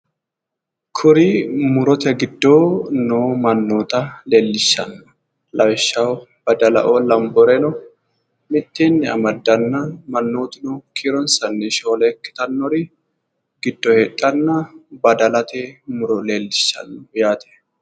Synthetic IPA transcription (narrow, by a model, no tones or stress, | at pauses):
kʰʊɾimʊɾɔt̪ɛɡɪd̪ːoːnoːmɐnːoːt̪ɐleːlːɪʃːɐ̰nːɔ̥ | lɐwʃːɐw | b̥ɐd̪ɐlɐ̰ʔolɐmbɔɾɛnɔ | mɪt̪ːenːɪɐ̰mɐd̪ːɐnːɐmɐnːoːt̪ɪnɔkʰiɾɔnsɐnːɛʃoːlɛkːɪ̥t̪ɐnːɔɾɪ | ɡɪd̪ːɔhetʼːɐnːɐbɐd̪ɐlɐt̪ɛmʊɾɔle̞ːlːɪʃːɐ̰nːɔjaːt̪ʰɛ̥